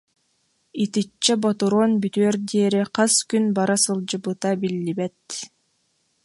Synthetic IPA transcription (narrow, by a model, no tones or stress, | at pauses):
it̪it͡ʃt͡ɕːɛbɔt̪uɾoːnbyt̪øːɾd̪iɛɾiqɑskynbaɾasɯlˠd͡ʑɯbɯt̪abilːibɛt̪